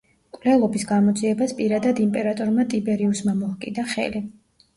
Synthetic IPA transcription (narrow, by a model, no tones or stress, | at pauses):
kʼwlɛlˠɔbisɡamɔd̪ziɛbaspʼiɾad̪ad̪impʼɛɾat̪ʼɔɾmat̪ʼibɛɾiusmamɔakʼḭd̪aχɛ̰li